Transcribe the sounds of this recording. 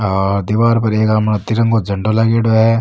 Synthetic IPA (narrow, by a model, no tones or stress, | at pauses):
ɔːɾd̪iʋaːɾpɐɾeːkaːmnɐt̪iɾɐ̃ŋɡod͡ʒɐ̃ɳɖolaɡeːɽoɦɛ